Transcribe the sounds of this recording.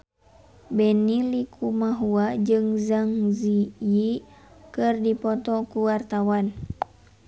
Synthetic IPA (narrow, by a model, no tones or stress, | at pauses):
bɛnilikʰumaɦuad͡ʒɨŋzaŋzijikɨrdipɔt̪ɔkuwart̪awan